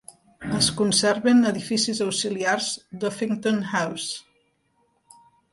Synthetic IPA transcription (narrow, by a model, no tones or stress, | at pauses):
əskunsɛɾβenəðifisizəwsiliarzd̪ofiŋt̪onhaws